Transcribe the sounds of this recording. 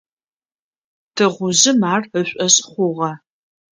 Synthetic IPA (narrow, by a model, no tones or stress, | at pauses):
tʰɨʁʷʊʑɪmaːrəɕʷʼɐɕʼχʷʊʁɐ